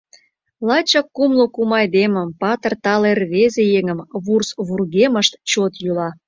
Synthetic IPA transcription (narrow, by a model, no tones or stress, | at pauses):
lɑt͡ɕɑkːumlokumɑjd̪eməmpɑt̪ərt̪ɑlerβezejeŋəmβursβurɣeməʃt̪t͡ɕot̪julɑ